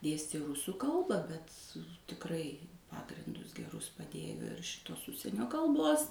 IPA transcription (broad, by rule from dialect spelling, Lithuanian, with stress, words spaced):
ˈdʲeːsʲtʲeː ˈruːsuː ˈkɐlˠbɐ bʲɛt tʲɪkˈrɐɪ ˈpɑːɡrʲɪndʊs ɡʲɛˈrʊs pɐˈdʲeːjoː ɪr ˈʃʲɪtoːs ˈʊʃʲsʲiɛnʲoː kɐlˠˈboːs